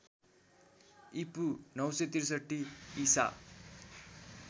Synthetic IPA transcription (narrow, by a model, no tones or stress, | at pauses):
ipunʌwsʌt̪irsʌʈːiːsa̰